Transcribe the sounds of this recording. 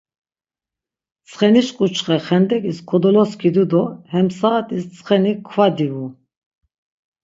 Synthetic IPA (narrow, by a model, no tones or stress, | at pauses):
t͡sʰχɛniʃkʼut͡ʃʰχɛχɛnd̪ɛkʼiskʰɔd̪ɔlɔskʰid̪ud̪ɔhɛmsaːt̪ʰʼist͡sʰʼχɛnikʰvad̪iu